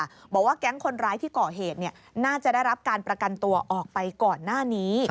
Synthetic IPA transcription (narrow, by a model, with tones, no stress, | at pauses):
bɔː˨˩k̚waː˥˩kɛ˦˥ŋkʰo˧nɾaː˦˥jt̪ʰiː˥˩kɔː˨˩ɦeː˨˩t̪̚ni˥˩ɐnaː˥˩t͡ɕa˨˩da˥˩jɾa˦˥p̚kaː˧npɾa˧ka˧nt̪u˧ɐʔɔː˨˩k̚pa˧jkɔː˨˩nːaː˥˩niː˦˥